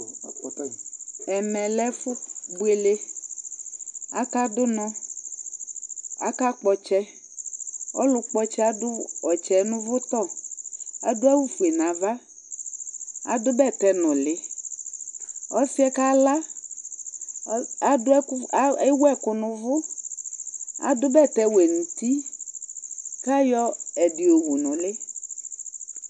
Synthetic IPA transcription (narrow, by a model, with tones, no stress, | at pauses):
ɛ˨mɛ̃˨lɛ˦fʊ˦bu˨˦e˨le˦ | a̰˦ka˦dʊ˦nɔ̃˦ | a̰˨ka˦k͡pɔ˨t͡ʃɛ˦ | ɔ̰˦lʊ˦k͡pɔ˦t͡ʃɛ˦a˦dʊ˦ɔ˨t͡ʃɛ˨nʊ̃˦vʊ˦t̪ɔ˦˨ | a˨dʊ˦ɛ˦wu˦fu˨e˨nã˨va˦ | a̰˨dʊ˦bɛ˦˨t̪ɛ˦nʊ̃˨lɪ˨ | ɔ˦si˦ɛ˦ka˦la˦ | a˨dʊ˦e˦wɛ˦˨kʊ˨nʊ̃˨vʊ˦ | a̰˨dʊ˦bɛ˦˨t̪ɛ˦we˨nũ˨t̪i˦ | ka˦jɔ˦ɛ˨dɪ˨o˨wu˨nʊ̃˨lɪ˦